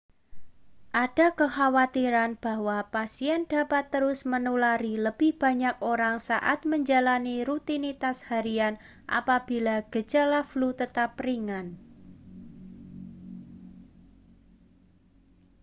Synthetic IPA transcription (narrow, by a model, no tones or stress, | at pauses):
ʔad̥a̤kəhawat̪iɾanb̥a̤hwapasiɛnd̥a̤pat̪ːəɾʊsmənulaɾiləb̥ɪhb̥a̤ɲakoɾaŋsa̰ʔa̰t̪̚məɲd͡ʒalaniɾut̪init̪ashaɾian | ʔa̰pab̥i̤laɡ̥ə̤̥d͡ʒalaflut̪ət̪apriŋan